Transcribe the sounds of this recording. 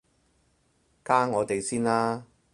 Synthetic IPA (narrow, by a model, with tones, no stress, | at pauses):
kaː˥ŋɔː˨˧t̪e˨jsiː˥nlaː˥